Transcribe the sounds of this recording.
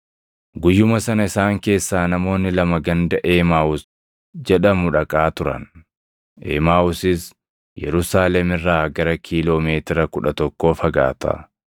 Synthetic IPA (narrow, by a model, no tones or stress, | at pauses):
ɡʊjːʊmɐsɐnɐɪsaːŋke̞ːsːaːnɐmo̞ːnːɪlɐmɐɡɐnd̪ɐʔe̞ːmaːwʊs | d͡ʒɛᶑɐmʊᶑɐkʼaːt̪ʊɾɐ̰n | ʔḛːmaːʔʊsɪs | jɛ̰ɾʊsaːlɛmɪrːaːɡɐɾɐkʰiːlo̞ːmeːt̪ɪɾɐkʊᶑɐt̪ɔkːo̞ːfɐɡa̰ːt̪ɐ̰